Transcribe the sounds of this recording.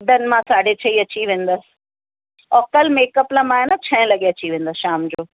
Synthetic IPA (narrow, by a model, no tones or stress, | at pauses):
d̪ənɪ̆mãsaːɖʱet͡ɕʰɐiɐt͡ɕiʋẽːn̆d̪əsɪ̥̆ | ɔːkəlmeːkəplamãːɦenat͡ɕʰɐ̃ɪ̃lɐɠeɐt͡ɕiʋẽːn̆d̪əsʃaːmd͡ʑoː